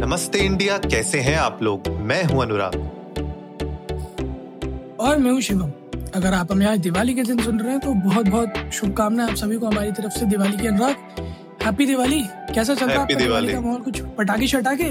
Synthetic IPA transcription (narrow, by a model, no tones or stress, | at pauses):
nɐməst̪eɪ̃ɳɖijakɛːseɦɛaːploːɡmɛ̃ːɦũɐnʊɾa̰ːt̪ | ɔːɾmɛ̃ːɦũʃɪʋəm | ɐɡəɾaːpɦɐmẽaːd͡ʒd̪ɪʋaːliked̪ɪns̬ʊnɾɐɦɛ̃t̪obɔɦɔt̪̚bɔːt̪ʃʊb̚kaːmnaɦɛaːpsɐbʱikoɦɐmaːɾit̪ɐɾəfsed̪ɪʋaːlikiɐnʊɾaːd̪ | hɛːpid̪ɪʋaːli | kɛːs̬at͡ʃɐɾaːpadɪaliikamaːɦɔːlkʊt͡ʃʰpɐʈaːkit͡ʃʰɐʈaːkeː